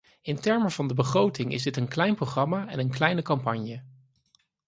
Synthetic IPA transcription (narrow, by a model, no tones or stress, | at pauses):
ɪntɛɹməvɑndəbəχrowtɪŋɪ̰zdɪtənklɛjnprowχrɑmaɛnənklɛjnəkɑmpɑɲjə